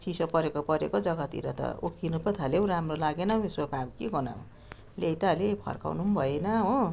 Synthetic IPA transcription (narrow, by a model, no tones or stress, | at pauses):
t͡sisʌpʌɾekopʌɾekod͡zʌɡʌt̪ḭɾʌ̰t̪ʌ̰ukʰinupʌt̪ʰalew̃ɾamrolaɡenʌiswapabkiɡʌna̰w̃ | lejt̪alepʰʌ̰rka̰wnumbʱʌjenʌɦo